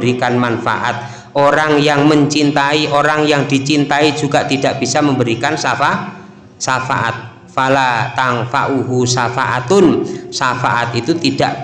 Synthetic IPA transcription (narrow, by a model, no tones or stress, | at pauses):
ɾikanmanfa̰ʔa̰t̪̚ | ʔoɾaŋjaŋməɲt͡ʃint̪aiʔoɾaŋjaŋd̪̥i̤t͡ʃint̪aid͡ʒuɡaʔt̪id̥aʔb̥isaməmbəɾikansafaʔ | safa̰ʔa̰t̪̚ | falat̪aŋfaʔuɦusafaʔat̪ʊnsafaʔat̪it̪ut̪id̥aʔ